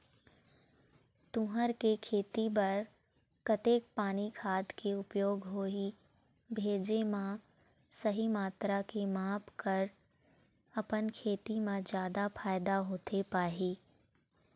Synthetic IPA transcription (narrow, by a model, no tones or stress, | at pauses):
t̪ũɦəɾkekʰeːt̪ibɐɾ | kɐt̪eːk̚paːnikʰaːd̪keʊpjoːɡɦoːi | bʱeːd͡ʒemã | sɐɦimaːt̪ɾakemaːpkɐɾ | ɐpənkʰeːt̪imãd͡ʒjaːd̪afʰaːɪd̪aɦoːt̪ʰepaːɦiː